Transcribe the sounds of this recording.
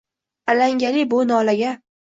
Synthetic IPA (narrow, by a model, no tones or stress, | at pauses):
alaŋɡʲalɪbʊnɒlaɡʲa